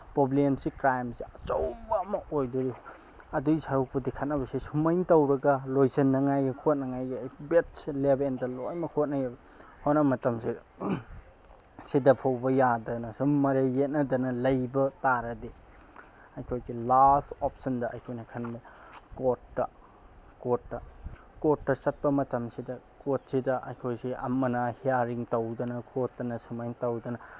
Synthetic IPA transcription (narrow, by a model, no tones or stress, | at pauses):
poblemsikɾajmsiɐt͡ʃowbɐɐmɐʔojdoɾi | ɐdujsʰaɾuk̚pɐdikʰat̚nɐbɐsisumɐjŋtɐwɾɐɡɐlojsɐnːɐŋajɡɐkʰot̚nɐŋajɡijbetslebendɐlojmɐkʰot̚nɐjab | honɐmɐtɐmsi | sidɐpʰawbɐjadɐnɐsumɐɾeːet̚nɐdɐnɐlɐjbɐtaɾɐdi | ɐjkʰojɡilastɔp̚sɐndɐʔɐjkʰojnɐkʰɐnmikot̚ːɐ | kotːɐ | kot̚ːɐsɐt̚pɐmɐtɐmsidɐ | kot̚sidɐʔɐ̰jkʰojsiʔɐ̰mːɐnɐhijaɾiŋtɐwdɐnɐkʰotːɐnɐsumajŋtɐwdɐnɐ